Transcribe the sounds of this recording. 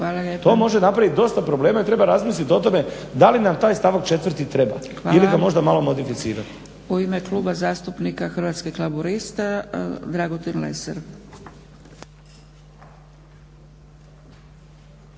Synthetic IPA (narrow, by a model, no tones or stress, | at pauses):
xʋaːlaʎept̪o̞mo̞ʒenapɾaʋit̪̚d̪o̞st̪apɾoble̞ːmait̪ɾe̞baɾazmislit̪o̞t̪o̞me̞ | d̪alinamt̪aːjst̪aʋakt͡ʃe̞t̪ʋɾ̩t̪it̪ɾe̞ba̰xʋaːiliɡamo̞ʒd̪amalo̞mo̞d̪ifit̪siːɾat̪ | uimeklˠuːbazaːst̪upnikaxrʋat̪skiklˠabuɾist̪ad̪ɾaɡot̪inlḛsḛɾ